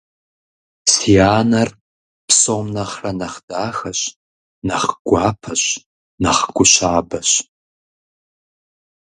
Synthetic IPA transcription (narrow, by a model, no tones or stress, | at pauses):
siaːnɐr | psoːmnɐχrɐnɐχd̥aːxɐɕ | nɐχɡʷaːpʰɐɕ | nɐχɡ̥ʷʊɕaːbɐɕ